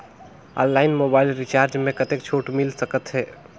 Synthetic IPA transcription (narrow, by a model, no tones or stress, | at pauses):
ɔ̰̃nlaɪnmobailɾit͡ʃaɾd͡ʒmẽkət̪ekt͡ʃʰoʈmilsəkət̪ɦɛ